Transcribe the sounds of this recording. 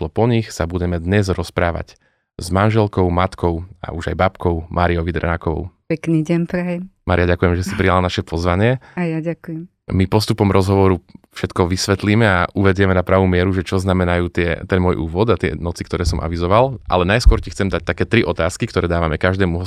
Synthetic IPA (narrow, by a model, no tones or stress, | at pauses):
lɔpɔɲixsabuɟɛmɛd̪ɲɛzɾɔspɾaːʋa̰c | zmanʒɛlkɔʊmat̪kʰɔʊa̰uʒa̰jbapkɔʊmʔaːɾiɔʋid̪ɾɛ̰nakɔʋɔ̰ʊpɛkniɟɛnpɾɛjɛmmaːɾijaɟakujɛmʒɛsipɾijalanaʃɛpʰɔzʋaɲɪɛajaɟakujɛm | mipɔst̪upɔmɾʔɔzɦɔʋɔɾufʃɛt̪kɔʋisʋɛt̪liːmɛaʔuʋɛɟɪjɛmɛnapɾaːʋuːmɪɛɾuʒɛt͡ʃɔznamɛnajuːt̪ɪɛ̰t̪ɛnmɔjʔuːʋɔd̪at̪ɪɛ̰nɔt͡si̥kt̪ɔɾɛːsɔmʔa̰ʋizɔʋalʔa̰lɛnajskwɔɾcixt͡sɛmd̪ac̚t̪akɛːt̪ɾiʔɔt̪aːskikt̪ɔɾɛːd̪aːʋamɛkaʒd̪ɛːmuɦɔ